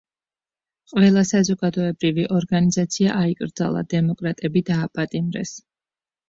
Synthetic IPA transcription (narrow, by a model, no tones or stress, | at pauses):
qʼvɛlˠasazɔɡad̪ɔɛbɾiviʔɔɾɡanizat̪sʰiaʔaikʼɾd̪za̰lˠa̰d̪ɛmɔkʼɾat̪ʼɛbid̪aːpʼat̪ʼimɾɛ̰s